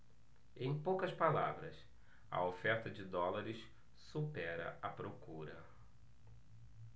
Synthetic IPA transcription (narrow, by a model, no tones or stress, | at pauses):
ẽj̃powkɐspala̰vɾɐ̰s | ɐ̰ofɛɾt̪ɐd͡ʒɪd̪ɔlaɾɪs | supɛɾɐ̰ɐpɾokuɾɐ̰